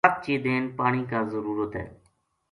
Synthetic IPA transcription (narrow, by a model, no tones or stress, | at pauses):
p̚t͡ʃiːd̪eːnpaːɳ̃iːkaːzəɾuːɾət̪ɦɛ̰ː